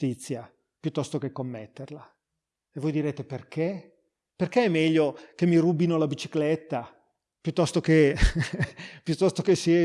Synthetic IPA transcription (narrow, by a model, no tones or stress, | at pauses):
it̪sːja | pjut̪ːɔst̪ok̟ekːomːet̪ːerla | evojd̪iɾeːt̪eperk̟e | perkeɛmːɛʎːok̟emːirubinolabit͡ʃiklet̪ːa | pjut̪ːɔst̪oke | pjut̪ːɔst̪okesːiɛ